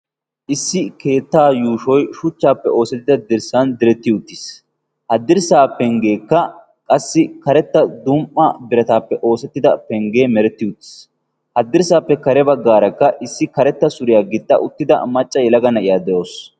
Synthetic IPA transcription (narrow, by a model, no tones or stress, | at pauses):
ʔɪsːɪke̞ːt̪ːaːjuːʃɔjʃʊt͡ʃːaːpːɛʔo̞ːsɛt̪ːɪd̪ɐd̪ɪɾsɐnd̪ɪɾɛt̪ːɪʊt̪ːɪs | hɐd̪ːɪɾsaːpɛŋɡe̞ːkːɐ | kʼɐsːɪkɐɾɛt̪ːɐd̪umʔɐbɪɾɐt̪aːpːɛʔo̞ːsɛt̪ːɪd̪ɐpɛŋɡe̞ːmɛɾɛt̪ːɪʊt̪ːɪ̥s | hɐd̪ːɪɾsaːpːɛkɐɾɛbɐɡːaːɾɐkːɐʔɪsːɪkɐɾɛt̪ːɐsʊɾɪjaːɡɪt̪ːɐ̰ʔʊt̪ːɪd̪ɐ̰mɐt͡ʃʼːɐjɛlɐɡɐnɐʔɪjaːd̪ɛʔo̞ːs